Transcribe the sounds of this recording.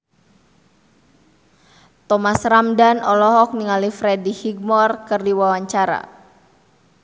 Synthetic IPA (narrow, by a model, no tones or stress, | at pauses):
t̪ɔmasramdanɔlɔɦɔk̚niŋalifɾɛdihiɡ̚mɔrkɨrdiwawaɲt͡ʃaɾa̰